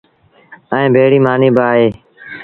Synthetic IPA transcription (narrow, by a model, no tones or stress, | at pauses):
ɛẽːbʱeːɽiːmaːniːbaːɦeː